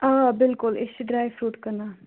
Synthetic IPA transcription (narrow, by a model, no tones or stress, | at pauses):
aːbɪlkʊlɪʃiɖɾaːjʋfɾuːʈkɐna